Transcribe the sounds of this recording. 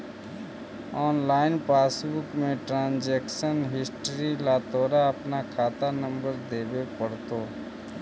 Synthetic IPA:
ɔːnlaːɪnpaːsbʊkmẽʈɾãːnd͡ʒeːkʃənɦɪsʈɾilaːt̪oːɾaɐpnakʰaːt̪anə̃mbəɾd̪eːbepəɽt̪oː

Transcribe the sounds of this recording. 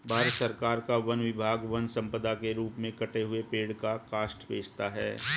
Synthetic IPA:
bʱaːɾət̪səɾkaːɾkaʋɐnʋɪbʱaːɡʋɐnsɐ̃mpəd̪akeɾuːpmẽkɐʈeɦʊepeːɽkakaːsʈʋḛːd͡ʒt̪aɦɛ̰ː

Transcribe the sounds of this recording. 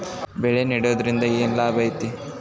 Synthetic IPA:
bɛɭeniɽoːd̪ɐɾind̪ɐeːnlaːbɐjt̪i

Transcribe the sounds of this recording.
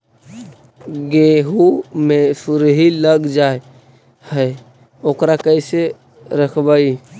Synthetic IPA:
ɡeɦumesuɾɦiləɡd͡ʒae | hə | okɾakəɪse | ɾəkʰbai

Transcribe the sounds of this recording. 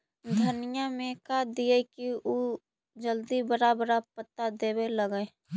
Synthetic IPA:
d̪ʱənɪjamẽkad̪iekiʔo | d͡ʒəld̪ibəɾabəɾapət̪ːad̪eːbeləɡe

